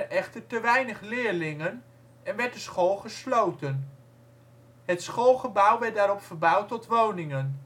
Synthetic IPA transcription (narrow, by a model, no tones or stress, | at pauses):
əʔɛχtəɹtəʋɛjnəχlɪːɹlɪŋən | ɛnʋɛɹdəsχoːlˠχəslowtən | ɦətsχolˠχəbʌwʋɛɹt̚daːɾɔpfəɹbʌwtɔtʋownɪŋən